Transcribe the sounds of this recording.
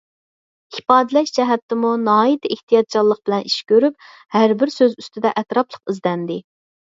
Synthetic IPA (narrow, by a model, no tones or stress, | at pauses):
ipɑːd̪ɨlɛʃd͡ʒɛɦɛt̪ːɪmunɑːit̪eht̪ijɑt̪̚t͡ʃʰɑlˠːəq̚bɪlɛnʔiʃkʲøɾyp̚ | hæɾbɪɾsøzyst̪ʰɪd̪ɛʔɛt̪ɾɑplˠəqizdlɛnd̪ɪ